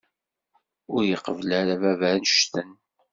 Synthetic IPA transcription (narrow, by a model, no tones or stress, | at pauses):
ʊɾjəqəvlæɾavævæɾnʃʃt̪ən